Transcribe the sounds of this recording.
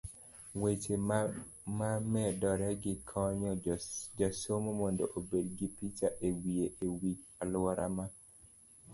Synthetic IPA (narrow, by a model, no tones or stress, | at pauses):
wet͡ʃe | mamɛdɔɾɛɡɪkʰɔɲɔd͡ʒasomomɔndoʔobedɡipit͡ʃaʔewieʔewit͡ʃalwaɾʔa̰ma